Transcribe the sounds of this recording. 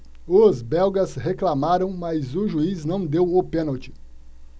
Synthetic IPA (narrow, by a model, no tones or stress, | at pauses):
ʊzbɛwɡɐsheklamaɾɐ̃w̃majzʊʒuiznɐ̃w̃d̪ewʊpẽnɐwt͡ʃɪ̥